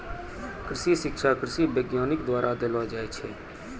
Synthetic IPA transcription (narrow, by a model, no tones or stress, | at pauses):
kɾɪsisɪkʃʰakɾɪsibeɡjaːnɪkd̪waːɾʔad̪elad͡ʒaːɛt͡ʃʰɛ